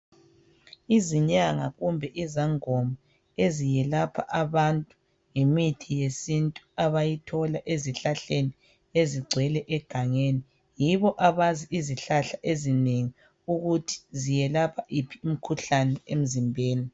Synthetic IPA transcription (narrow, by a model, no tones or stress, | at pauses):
iziɲaŋaɣumbʱɛʔizaŋɔma | ezijɛlapʰa̰ʔaβantʼu | ŋimitʰijesintʼuaβajitʰɔlaʔeziɬaɬeni | eziɡ͡ǀʱɛlɛʔɛɡ̥ʱaŋeːni | jiβɔʔaβaziiziɬaɬaʔezineŋi | uɣutʰi̥zijɛlapʰaʔipʰium̩kʰuɬanɛem̩zimbʱeːni